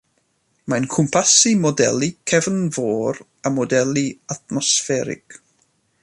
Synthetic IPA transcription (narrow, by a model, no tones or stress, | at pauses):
mankʰʊmpʰasimɔdɛ̰lˠikʰɛvənvoːɾ | amɔdɛlˠiat̚mɔsfɛɾɪ̰k